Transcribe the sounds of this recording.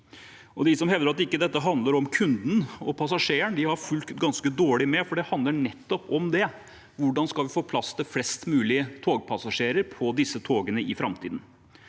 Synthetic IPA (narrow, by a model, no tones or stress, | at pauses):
ɔd̪ɪsɔmhɛʋd̪əɾɑt̪ːɪkːəd̪ɛt̪ːəɦɑnd̪ləɾɔmkʰʉnd̪n̩ɔpʰɑs̬ɑʂeːəɳd̪ɪhɑɾfʉlt̪ɡɑnskəd̪oːɭɪmɛfɔɖɛhɑnd̪ləɳɛt̪ːɔpɔmd̪ɛ | ʋʊɖɑnskɑlʋɪfoːpʰlɑst̪ʰɪflɛst̪mʉːlɪət̪ʰoːɡpʰɑsɑʂeːɾəɾpʰɔd̪ɪsːət̪ʰoːɡənəʔɪfɾɑmt̪ʰḭːd̪n̩